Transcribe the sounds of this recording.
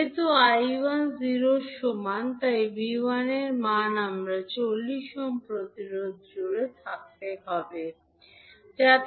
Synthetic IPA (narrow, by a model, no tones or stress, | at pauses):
et̪uajbanziɾoʃomant̪ajbiwaneɾmanamɾat͡ɕolːiʃɔmpɾot̪iɾod̪d͡ʑoɾet̪ʰak̚t̪eɦɔbe | d͡ʑat̪